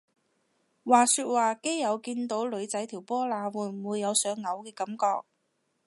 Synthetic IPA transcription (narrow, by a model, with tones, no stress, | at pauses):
waː˨˩syː˧t̚waː˨˩ke˥jːɐ˨˧wkiː˧nt̪o˨˥wlɵ˨˧ɥt͡sɐ˨˥jt̪ʰiː˨˩wpɔː˥laː˨˧wuː˨˩muː˨˧jːɐ˨˧wsœː˨˧ŋːɐ˨˧wkɛː˧kɐ˨˥mkɔː˧k̚